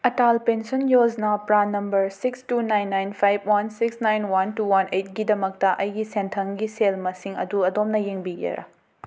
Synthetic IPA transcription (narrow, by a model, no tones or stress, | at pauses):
ɐtalpensonjoznɐpɾanɐmbɐɾsikstunajnːajnpʰajb̚wansiksnajnwantuwanʔejt̚ɡidɐmɐk̚tɐʔɐjɡisentʰɐŋɡiselmɐsiŋɐ̰duɐdomnɐjeŋbiɡḛɾʔɐ̰